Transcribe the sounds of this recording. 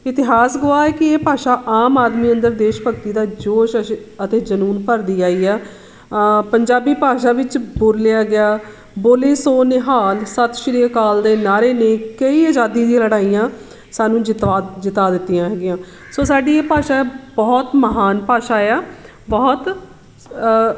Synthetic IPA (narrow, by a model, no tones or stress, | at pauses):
ɪt̪ɪɦaːsɡʊaːɛːkɪeːpaːʃaːʔaːmaːd̪miːənd̪əɾd̪eːʃpəkt̪iːd̪aːd͡ʒoːʃəət̪eːd͡ʒənuːnpəɾd̪iːaːiːaː | pəɲd͡ʒaːbiːpaːʃaːʋɪt͡ʃbʊɾlɪjaːɡɪaː | boːleːsoːneːɦaːlsət̪ʃəɾiːkaːld̪eːnaːɾeːnẽːkəiːəd͡ʒaːd̪iːd̪ĩləɽaːijãː | saːnũːd͡ʒt̪aːd͡ʒɪt̪aːd̪ɪt̪ːijãːɦɛːɡɪjãː | soːsaːɖiːeːpaːʃaːbɔːt̪məɦaːnpaːʃaːeaː | bɔːt̪